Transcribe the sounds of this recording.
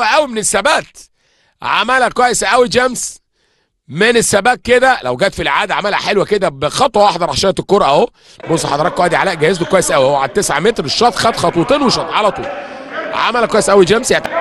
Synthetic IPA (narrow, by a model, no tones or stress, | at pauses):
æʔæwimenesːæbæːt̪ | ʕamælækæjesʔæwid͡ʒæms | menesːæbæːk̚kːed̪ælæwɡæːt̪filʔʕaːd̪æʕamælhæ̰ħelwæked̪æbexɑt̪ˤwɑwɑħd̪ɑɾˤʕaʃæːnt̪ekːoɾˤɑʔææ | bosˤːħɑd̪ˤɑɾˤɑkːowæd̪iʕalæːʔɡæhezt̪okwæjesʔæwiʔæwʕad̪̚t̪esʕamet̪ɾeʃːɑt̪ˤxæd̪xɑt̪ˤut̪ˤeːnweʃɑt̪ˤʕalæt̪ˤṵːlʕa̰mælækwæjesʔæwid͡ʒæmsjæt̪